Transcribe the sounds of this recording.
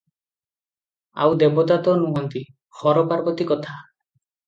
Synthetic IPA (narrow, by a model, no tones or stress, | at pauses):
a̰wd̪ebɔt̪at̪ɔnuɦɔnt̪i | xɔɾɔpaɾbɔt̪ikɔt̪ʰa